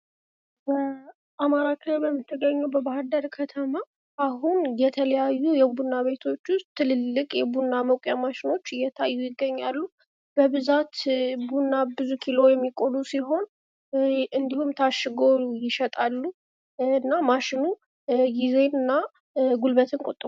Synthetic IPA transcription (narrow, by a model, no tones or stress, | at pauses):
bə | ʔamaɾakʰəbəmːɨt̪ʰːɨɡəɲːɛwbəbahad̪əɾkʰət̪ʰəma | ʔahunjɛt̪ʰələjajːujɛbunːaβe̞t̪ʰo̞t͡ʃːʊst̪ʰːɨlɨlːɨkʼjɛbunːaməkʷʼjamaʃɪno̞t͡ʃːɨjːɛt̪ʰajːujɪɡːəɲːalːu | b̥əβɨzat̪bunːabɨzukʰilo̞jɛmːikʼolusiɦo̞n | ɨnd̪ihumt̪ʰaʃːɪɡo̞jɪʃɛt̪ʼalːu | ɨnːamaʃɪnu | ɡize̞nɨnːa | ɡulbət̪ʰɨnkʼot̪ʼːmu